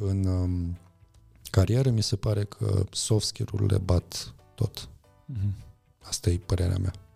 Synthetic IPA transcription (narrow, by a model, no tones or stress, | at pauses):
ɨn | kaɾieɾəmise̞paɾe̞kʰə̰sofskʲeɾṵrlḛbat̪ː | o̞̰t̪ | ast̪ajepəɾe̞ɾḛa̰mea̰